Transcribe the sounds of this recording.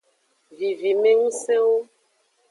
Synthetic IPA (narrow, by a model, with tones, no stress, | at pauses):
vi˨vi˨mẽ˦ŋũ˦sɛ˦wo˦